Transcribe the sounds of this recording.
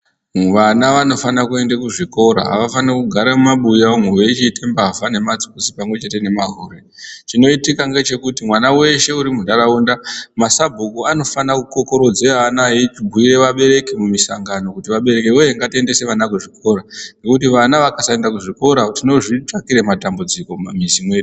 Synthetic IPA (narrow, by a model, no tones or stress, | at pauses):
ʋanaʋano̞fanakue̞ndekuʐiko̞ɾa̰ɦa̰ʋafanekuɡʱaɾamumaɓujaomwewet͡ʃitembavane̞mat͡si̥kusipamwe̞t͡ʃe̞te̞ne̞maɦoɾe | t͡ʃino̞itikaŋɡe̞t͡ʃe̞kutimwanawe̞ʃe̞uɾimundaɾaundamasabʱukuano̞fanakuko̞ko̞ɾo̞d͡zeanaɦit͡ʃibʱuiɾe̞ʋaɓe̞ɾe̞kemumisaŋɡano̞kutiʋaɓe̞ɾe̞kewejeŋɡatiende̞se̞ʋanakuʐiko̞ɾanɡekutiʋanaʋakasaendakuʐiko̞ɾatino̞ʐit͡ʂakiɾematambud͡ziko̞mamizimwe̞ːɗi